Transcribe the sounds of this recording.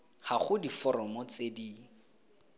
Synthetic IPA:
haχʊdifɔɾɔmɔt͡sediː

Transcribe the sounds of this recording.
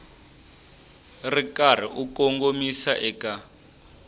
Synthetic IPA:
rikar̤iʔukɔŋɡomisaʔɛka

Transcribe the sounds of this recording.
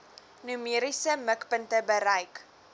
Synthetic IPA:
nymiəɾisəməkpəntəbəɾɐjk

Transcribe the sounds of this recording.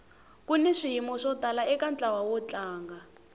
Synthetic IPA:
kunɛʂijimɔʂɔtalaɛkant͡ɬʼawawɔt͡ɬaːŋɡa

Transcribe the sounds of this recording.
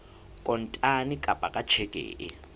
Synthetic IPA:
kʼɔntʼanikʼab̥ʱakʼat͡ʃʰɛkʼɛ̰ːʔɛ

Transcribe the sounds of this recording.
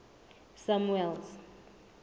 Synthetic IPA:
samuɛlz

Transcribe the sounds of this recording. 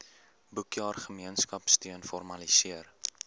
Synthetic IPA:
bukjɑːrχəmiənskɐpstyənfɔrmɐlisiər

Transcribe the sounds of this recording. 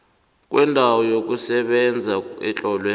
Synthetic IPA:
k̬ʼwɛndʱawɔjok̬ʼusɛɓɛnd͡zʱaɛ̰t͡ɬʼɔlwe

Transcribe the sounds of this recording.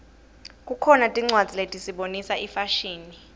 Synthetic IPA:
kʼukʰɔnatʼiŋ͡ǀwad̥z̥ʱiletʼisiɓonisaʔifaʃiːni

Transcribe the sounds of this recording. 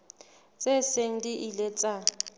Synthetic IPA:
t͡sʼɛseŋ̩diʔilɛt͡sʼa

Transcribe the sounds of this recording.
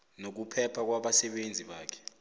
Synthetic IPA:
nok̬upʰɛpʰak̬waɓasɛɓend͡zʱiɓaːkʰɛ̥

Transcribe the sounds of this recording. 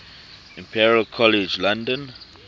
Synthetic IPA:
ĩmpʰiɹialkʰɔlɛd͡ʒlãndə̃n

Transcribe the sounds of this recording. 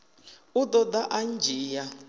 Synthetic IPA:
ud̪ɔd̪aʔand͡ʒʱiːja

